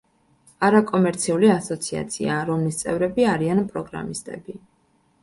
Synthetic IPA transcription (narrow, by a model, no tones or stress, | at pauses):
aɾakʼɔmɛɾt̪sʰiuliasɔt̪sʰia̰t̪sʰḭaɾɔmlist̪sʼɛvɾɛbiaɾianpʼɾɔɡɾa̰mist̪ʼɛ̰bi